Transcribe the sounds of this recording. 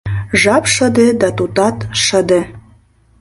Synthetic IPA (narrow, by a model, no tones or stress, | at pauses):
ʒɑpʃəd̪ed̪ɑt̪ut̪ɑt̪ʃəd̪e